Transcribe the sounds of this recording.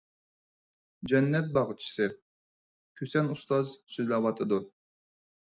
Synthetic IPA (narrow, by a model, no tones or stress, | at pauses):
d͡ʒɛnːɛt̪̚bɑʁɨt͡ʃʰi̥sɨ | kʲʰøsɛnust̪ɑzsøzlɛwɑt̪ʰɨd̪u